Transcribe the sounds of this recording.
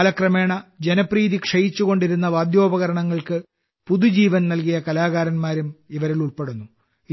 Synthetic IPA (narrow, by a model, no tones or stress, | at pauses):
lɐkrɐme̞ːɳɐd͡ʑenɐpriːðikʂɐjit͡ɕːuɣo̞ɳɖiɾunːɐʋaːd̪jo̞ːbɐɣɐɾɐɳɐŋːɐɭkɨ | puðud͡ʑiːʋɐnnɐlk̬ijɐkɐlaːɣaːɾɐnmaːɾumiʋɐɾiluɭpe̞ɽunːu